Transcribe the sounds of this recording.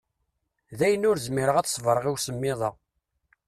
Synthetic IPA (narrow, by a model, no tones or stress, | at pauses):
ðæjənːʊɾzmɪɾəʁæθsˤvɾˤəʁiwsəmːɪðˤɑ